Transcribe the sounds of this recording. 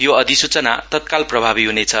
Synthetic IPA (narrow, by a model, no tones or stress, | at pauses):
joʌd̪isut͡sʌna̰t̪ʌt̪̚kalprʌbʱabiɦunet͡sʰʌ